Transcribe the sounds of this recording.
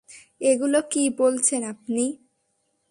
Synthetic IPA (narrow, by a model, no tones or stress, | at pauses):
eɡulokibolt͡ɕʰenap̚ni